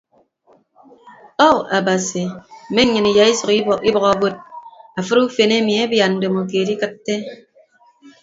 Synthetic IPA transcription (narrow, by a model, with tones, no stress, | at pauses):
ɔ˦a˨ba˨si˨m̩˨me˦ɲɨ˨ni˨ja˨i˦sɔ˨ki˦bɔ˨ka˨bo˦t̚a˨fɨ˦ɾu˦fe˨ne˦mi˨e˦bja˨nn̩˨de˨mo˨k̬e˨di˦kɨ˦tːe˦